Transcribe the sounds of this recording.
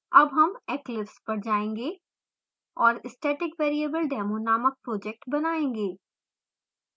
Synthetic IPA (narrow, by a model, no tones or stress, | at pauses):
ɐbɦɐmɛːklɪpspɐɾd͡ʒaːẽːŋɡeː | ɔːɾɪsʈeːʈɪkʋeːɾiəbəlɖɛːmoːnaːmək̚pɾoːd͡ʒɛk̚ʈbɐnaːẽːŋɡeː